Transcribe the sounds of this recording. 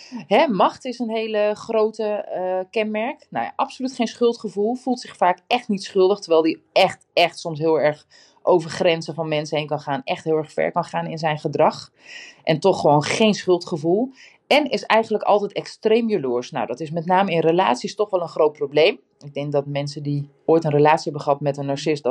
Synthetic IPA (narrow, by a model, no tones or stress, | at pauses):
ɦɛmɑχtɪsənɦejləχrowtəkɛnmɛɹkno̰wjʔɑpsolytχejnsχɵlˠtχəvulˠfulˠtsɪχfaːkɛχtnitsχɵlˠdəχtəɹʋɛjlˠdiɛχtɛχtsɔms̬ɦɪːlˠɛɹχ | ʔowvəɹχrɛnsəvɑnmɛnsəɦejnkɑnχaːnɛ̰χtɦɪːlˠɛɹχfɛ̰ɹkɑnχaːnɪnzɛjnχədrɑχ | ʔɛntɔχːəʋoːnχejnsχɵlˠtχəvulˠ | ɛnɪsɛ̰jχənləkɑ̰lˠtɛjtɛkstrejmjəlʊːɹsna̰wdɑtɪsmɛtnaːməɪnrəla̰ːtsistɔχʋɛlˠənχrowt̚prowblejm | ɪɡ̚dɛŋk̚dɑtmɛnsədi | oːjtənrəlaːtsiɦɛbəχɑpəmɛtənːɑɹsɪsd